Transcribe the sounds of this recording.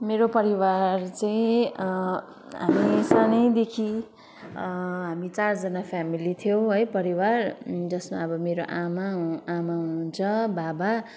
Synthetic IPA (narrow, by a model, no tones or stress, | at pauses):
meɾopʌɾiwart͡saĩ | ɦa̰misanʌjd̪ekʰi | ɦamit͡sard͡zʌnapʰjamilit̪ʰjow̃ɦʌjpʌɾiward͡zʌsmaʌbʌmeɾoʔamaɦamaɦuunt͡sʰʌbaba